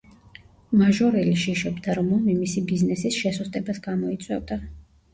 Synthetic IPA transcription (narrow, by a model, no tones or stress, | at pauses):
maʒɔɾɛliʃiʃɔbd̪aɾmɔnimisibiznɛsisʃɛsust̪ʼɛbasɡamɔit̪sʼwɛ̰vd̪a